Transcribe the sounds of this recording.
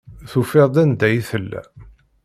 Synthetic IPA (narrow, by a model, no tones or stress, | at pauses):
θufeðˤd̪ænd̪æjiθəlːæ̰